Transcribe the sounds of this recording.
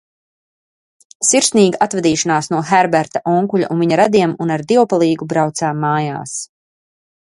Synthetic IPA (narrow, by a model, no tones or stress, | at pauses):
siɾsniːɡaʔat̪vɛd̪iːʃanaːsnuɔxɛɾbɛɾt̪aʔɔŋkuʎʲa̰ʔunviɲaɾad̪iɛmunaɾd̪iwpalˠiːɡubɾawt̪saːmːaːja̰ːs